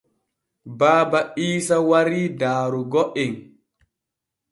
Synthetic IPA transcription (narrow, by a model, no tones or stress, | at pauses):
baːbaʔiːsawaɾiːdaːɾuɡɔʔin